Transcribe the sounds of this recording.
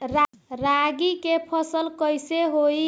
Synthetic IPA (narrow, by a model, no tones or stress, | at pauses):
ɾa | ɾaɡikepʰəsəlkəjseɦoi